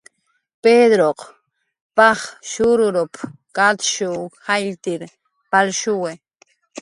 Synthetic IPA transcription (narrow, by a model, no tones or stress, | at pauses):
ped̪ɾoq | pɑχʃʊɾʊɾʊp | kat̪ʃuxajlt̪ɪɾ | palʃʊwe